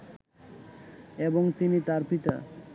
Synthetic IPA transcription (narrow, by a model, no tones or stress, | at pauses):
eboŋt̪init̪aɾpit̪a̰